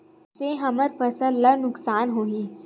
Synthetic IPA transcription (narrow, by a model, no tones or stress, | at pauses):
seɦɐməɾpəsəllɐnʊksaːnɦoːĩ